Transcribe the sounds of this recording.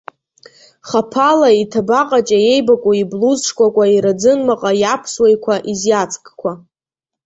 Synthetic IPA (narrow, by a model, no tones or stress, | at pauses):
χapʰalaitʰabaqʼat͡ʃʼaje̞jbakʷʼoibluzʈ͡ʂʰkʷʼakʷʼaiɾad͡zɨnmaqʼajapʰswejkʷʰaʔizjat͡sʰʼkʼkʷʰa